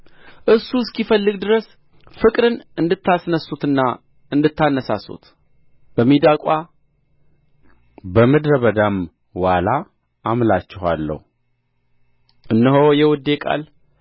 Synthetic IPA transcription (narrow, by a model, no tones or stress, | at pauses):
ʔɨsːuskifəlːɨɡd̪ɨɾəs | fɨkʼɾɨnɨnd̪ɨt̪ʰːasnəsut̪ɨnːa | ɨnd̪ɨt̪ʰːanːəsa̰sṵt̪ | b̥əmːid̪akʼa | bəmɨd̪ɾəβəd̪am | wala | ʔːmlat͡ʃːɪha̰lːə̰hu | ʔɨnːəɦojɛwɔd̪ːekʼa̰l